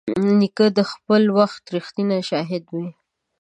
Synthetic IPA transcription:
nikəd̪əxpəlwaxt̪ɾixt̪inaʃɑɦɪd̪wi

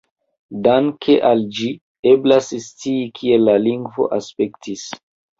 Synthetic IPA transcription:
daŋkʰeʔald͡ʒi | eblasst͡siːkʰielːaliŋɡvo̞̰ʔaspe̞ktʰis

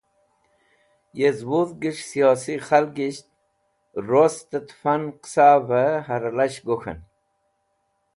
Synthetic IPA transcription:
jezwuðɡiʂsijosiχalɡiɕt̪̚ | ɾost̪ət̪fanqsavəɦaɾalaɕɡoxə̰n

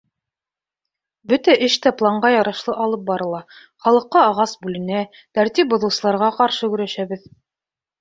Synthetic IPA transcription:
bɵt̪æʔɘʃt̪æplˠɑɴɢɑjɑɾɑʃlˠɤʔɑlˠɤp̚bɑɾɤ̆lˠɑ | χɑlˠɤ̆qːɑːʁɑsbʉlɘ̆næ | t̪æɾt̪ip̚bŏðɤ̆wsɤ̆lˠɑɾʁɑqɑɾʃɤkɵ̆ɾæʃæβɘð

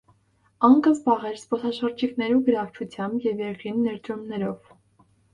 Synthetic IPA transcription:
ɑŋkʰəzbɑʁɛɾspɔsɑʃəɾd͡ʒiknɛɾuɡəɾɑkt͡ʃʰut͡sʰjɑmbjɛvjɛɾkinːɛɾt̪ɾumnɛɾɔv

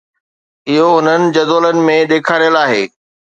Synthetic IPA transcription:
ɪɦoʊn̤ənɪ̆d͡ʑɐzoːlənɪ̆mẽɗ̪eːkʰaːɾijəlaːɦeː

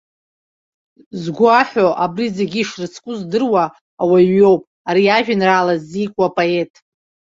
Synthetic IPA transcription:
zɡʷaħoʔabrizeɡʲiʂrɨt͡sʰkʼʊzdɨrwaː | waɥo̞wpʼ | aɾiaʒᶣɪnraːlazːikʷʼapʼoe̞tʼ

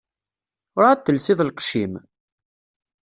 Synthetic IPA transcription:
ʊɾaæt̪ːəlsiðˤəlqʃim

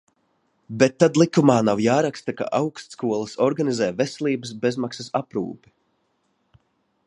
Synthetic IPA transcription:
bet̪ːad̪lˠikumaːnawjaːɾakst̪aka̰ʔawkst̪skuɔlˠasɔɾɡanizɛːvɛsɛlʲˠiːbəsbezmaksɐsapɾṵːpi̥

